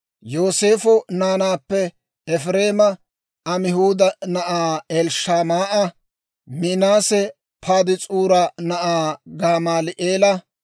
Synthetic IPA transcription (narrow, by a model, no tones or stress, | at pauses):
jo̞ːse̞ːfʊnaːnaːpːɛ | ɛfɾe̞ːmɐ | ʔɐmɪhuːd̪ɐnɐʔaːɛlʃaːmaːʔɐ | mɪnaːsɛ | pʰaːd̪ɪt͡sʼuːɾɐnɐʔaːɡaːmaːlɪʔeːlɐ